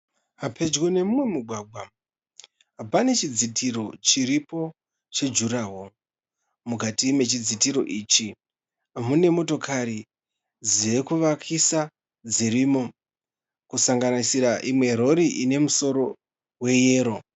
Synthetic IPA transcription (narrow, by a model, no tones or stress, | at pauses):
ɦapʰe̞d͡ʒɡone̞mumwe̞muɡʱwaɡʱwa | ɦapane̞t͡ʃid͡zitʰiɾo̞t͡ʃiɾipo̞ | t͡ʃe̞d͡ʒuɾawo̞ | mukatime̞t͡ʃid͡zitiɾo̞̰ʔiːt͡ʃi | mune̞mo̞to̞kʰaɾi | d͡ziekuʋakʰisa | d͡ziɾiːmo̞ | kusaŋɡanisiɾaʔimwe̞ɾo̞ɾiʔine̞muso̞ɾo̞ | we̞je̞ːɾo̞